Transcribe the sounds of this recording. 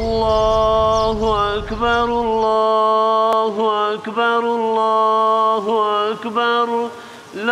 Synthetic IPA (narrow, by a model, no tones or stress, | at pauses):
lˤːaːhʔakbɑɾˤalːaː | ɦʔʔakbɑɾˤlːa | hʔakbɑɾˤ | l